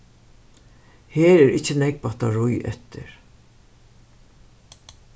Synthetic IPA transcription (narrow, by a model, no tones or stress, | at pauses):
heːɾɛɾɪht͡ʃːɪnɛk̚pat̪aɹʊjɛ̰t̪ɪ̰ɹ